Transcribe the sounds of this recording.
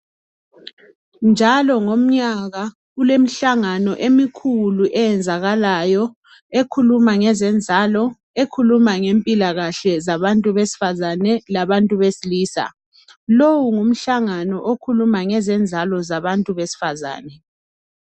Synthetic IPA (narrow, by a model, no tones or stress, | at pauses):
nd͡ʒʱalɔŋom̩ɲaɣa | ulem̩ɬaŋanɔʔemikʰuluʔɛjɛnd͡zʱaɣalajɔ | ekʰulumaŋɛzɛnd͡zʱalɔ | ekʰulumaŋempʼilaɣaɬɛzaβantʼuβesi̥fazanɛlaβantʼuβesiliːsa̰ | lowuŋum̩ɬaŋanɔʔokʰulumaŋɛzɛnd͡zʱalɔzaβantʼuβesi̥faza̰ːnɛ